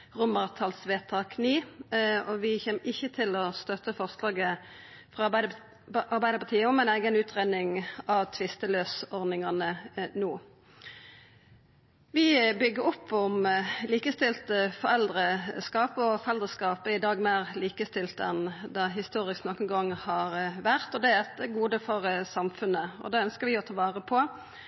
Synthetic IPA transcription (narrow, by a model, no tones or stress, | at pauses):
ʁʊmɑʁt̪ʰɑlsʋeːt̪ʰɑːkniːɔʋɪçɛːmʔɪçːət̪ʰɪlɔst̪œt̪əfɔʁslɑːɡə | fʁɑbæɪ | ɑʁbæɪd̪əpʰɑt̪ʰiːəɔmæɛɪnæɪɡənʉːt̪ʰʁenɪŋɑʋt̪ʰʋɪst̪əløːsɔʁd̪ɪŋɑnənuː | ʋɪbʏɡːəɾɔpʰːɔmliːkəst̪ɪlt̪əfɔʁɛld̪ʁəskɑːpəɔfɔʁɛld̪ʁəskɑːpəɪd̪ɑːɡmeːʁliːkəst̪ɪlt̪əɛnd̪ɑɦɪst̪uːɾɪsknɔkːənɡɑŋːhɑʁʋæʁt̪ɔd̪ɛɛt̪əɡuːd̪əfɔʁsɑmfʉnəɔ̰d̪ɑːœnskəʁʋɪot̪ʰɑʋɑːʁəpʰɔ